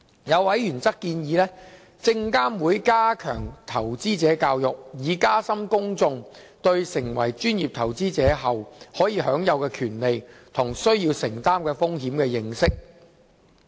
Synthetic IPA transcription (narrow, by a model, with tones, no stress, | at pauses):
jɐ˨˧wwɐ˨˥jjyː˨˩nt͡sɐ˥kːiː˧njiː˨˧lɛː˥ | t͡sɪ˧ŋkaː˥mwuː˨˥jkaː˥kʰœ̰ː˨˩ŋt̪ʰɐ˨˩wt͡siː˥t͡sɛː˨˥kaː˧wjʊ˨k̚jiː˨˧kaː˥sɐ˥mkʊ˥ŋt͡sʊ˧ŋ | t̪ɵ˧ɥsɪ˨˩ŋwɐ̰˨˩jt͡ʃyː˥nji˨p̚t̪ʰɐ˨˩wt͡siː˥t͡sɛː˨˥ɦɐ˨whɔː˨˥jiː˨˧ɦœː˨˥ŋjɐ˨˧wkɛː˧kʰyː˨˩nle˨jt̪ʰʊ˨˩ŋsɵ˥ɥjiː˧wsɪ˨˩ŋt̪aː˥mkɛː˧fʊ˥ŋɦiː˨˥mkɛː˧jɪ˧ŋsɪ˥k̚